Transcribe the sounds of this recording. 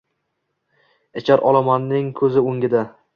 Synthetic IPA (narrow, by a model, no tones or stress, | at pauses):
ɪt͡ʃʰaɾʔɒlˠamanːɪŋkʰɵzɪoŋɡʲɪd̪a